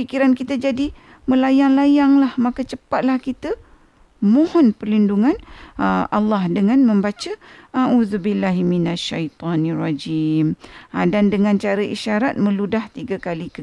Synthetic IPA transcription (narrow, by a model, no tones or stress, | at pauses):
ikiɾankit̪ad͡ʒadi | məlajaŋlajaŋlahmãkat͡ʃəpat̪̚lahkit̪a | mõhɔnpərlinduŋãnəalːɑhdəŋãnmə̃mbat͡ʃaʔaʔuzubilːaɦiminaʃːajt̪ɑnirɑd͡ʒimadandəŋãnt͡ʃaɾəʔḭʃaɾat̪̚mə̃ludaht̪iɡakalikə